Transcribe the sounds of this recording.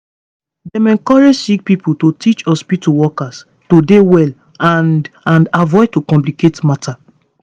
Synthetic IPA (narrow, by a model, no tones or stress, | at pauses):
dɛ̃mɛ̃ŋkɔɹed͡ʒsik̚piputotʰit͡ʃɔspituwɔkas | todewɛl | ãndãndavɔɪtokɔ̃mpliketmatʰa